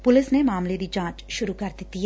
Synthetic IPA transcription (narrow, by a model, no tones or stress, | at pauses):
pʊlɪsnemaːmled̪id͡ʒãːt͡ʃʃʊɾukɐɾd̪et̪i